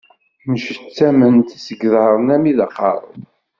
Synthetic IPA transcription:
məʃt͡sːæmənt̪isəɡðɑɾˤənæmiðɑqːɑ̰ɾ̰ˤð

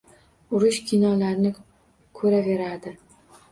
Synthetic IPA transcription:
ʊɾʊʃkʲʰɪnɒlaɾnɪ | kʰɵɾave̞ɾad̪ɪ

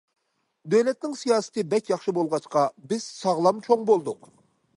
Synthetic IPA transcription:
d̪øwlɛt̪̚nɪŋsijɑːsɨ̥t̪ʰɨbɛkʲjɑχʃɨbolˠʁɑt͡ʃqɑbɪz̥sɑʁlˠɑmt͡ʃʰoŋbolˠd̪ʊq

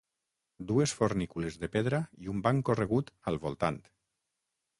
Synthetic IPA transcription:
d̪uesfoɾnikulezðepeðɾaiumbaŋkoreɣut̪alˠβolˠt̪ant̪

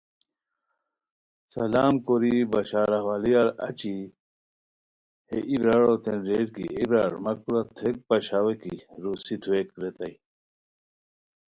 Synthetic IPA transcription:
sɐlaːmkoɾibɐɕaːɾɐwalijaɾɐ̰t͡ɕi | heʔibɾaɻot̪enɾeʈkḭibɾaːɾmɐk̚puɾat̪ʰek̚pɐɕawekiɾusit̪ʰuekɾet̪ɐi

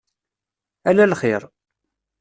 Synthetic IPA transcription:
ælælχɪɾˤ

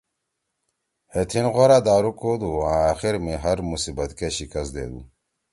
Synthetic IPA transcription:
het̪ʰinɣoɾad̪aːɾukod̪uãːaːxiɾmiɦɐɾmusibɐt̪keɕikɐsd̪ḛːd̪ṵ

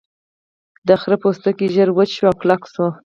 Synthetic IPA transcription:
d̪əxɾəpost̪əkiʒəɾwəʃwaklakso

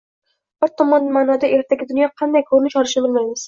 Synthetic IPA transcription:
bʊɾt̪ʰːɔmɒnːmaːnɒd̪aʔeɾt̪ʰaɡʲɪd̪ʊnjɒqʰɑnd̪ajkʰɵɾnɪʃɒɾɪʃɪbɪlˠmajmɪz̥

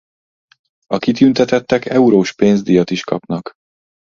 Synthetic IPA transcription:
ɒkit̪ynt̪ɛt̪ɛt̪ːɛkɛuɾoːʃpeːnzd̪ijɒt̪iʃkɒpnɒk

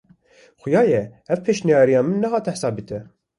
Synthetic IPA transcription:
xʊjɑːjɛhɛvpʰeːʃnijɑːɾijɑːmɨnːɛɦɑːt̪ʰɛħsɑːb̚it̪ʰɛ

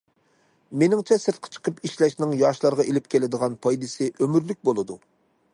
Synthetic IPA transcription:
menɪŋt͡ʃʰɛsɨɾt̪̚qʰə̥t͡ʃʰə̥qʰəpiʃlɛʃnɪŋjɑʃlˠɑɾʁɑʔelɪp̚kʲʰelɪd̪əʁɑnpʰɑjd̪ɨsɨʔømyɾlyk̚ʲbolˠɨd̪u

